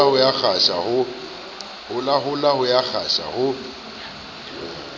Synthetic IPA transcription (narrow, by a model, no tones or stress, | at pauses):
ʊjak͡xaʃahʊ | hʊlaɦʊlahʊjak͡xʰaʃa̰hʊ